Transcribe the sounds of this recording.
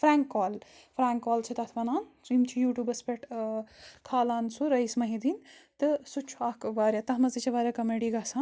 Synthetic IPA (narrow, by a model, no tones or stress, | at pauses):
pʰɾaːŋkːɔːl | pʰɾaːŋkːɔːlt͡ʃʰit̪ɐt̪ʰʋɐnaːnzimt͡ʃʰijuːʈjuːbɐspeʈ | kʰaːlaːnsuɾɐjsmɐɦid̪int̪ɨsut͡ʃʰuakʋaːɾʲjat̪ɐɦmɐzit͡ʃʰiʋaːɾʲjɐkɐmeɖiɡɐsʰaːn